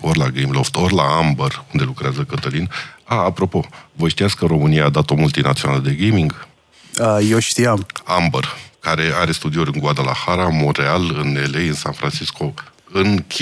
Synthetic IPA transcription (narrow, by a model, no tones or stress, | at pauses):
orlaɡejmloft̪o̞rlaambərund̪e̞lukɾeazəkət̪əlinaːpɾo̞po̞vəʃt̪ijat̪skəɾo̞mɨnijaːd̪at̪o̞mult̪inat̪sionaləd̪e̞ɡejmiŋɡ | əjeʃt̪ijamambərkaɾe̞aɾe̞st̪ud̪ioɾʲɨŋɡwad̪alaxaɾamo̞ɾe̞alɨnelejɨnsa̰nfɾʔant͡ʃisko̞ɨnkʲ